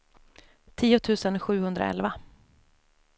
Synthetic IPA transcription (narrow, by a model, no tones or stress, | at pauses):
t̪ʰiːʊt̪ʰʉ̟ːsənɧʉ̟ːhɵnd̪ɾa̰ɛ̰lva